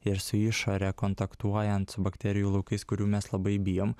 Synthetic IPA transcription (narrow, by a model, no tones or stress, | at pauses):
ɪɾsʊɪʃoɾʲɛkɔnt̪ɐkt̪uɔjɛnt̪sʊbɐkt̪ʲɛɾʲɪjuːlˠɐʊkɐɪskʊɾʲuːmʲɛslˠɐbɐɪbʲɪjoːm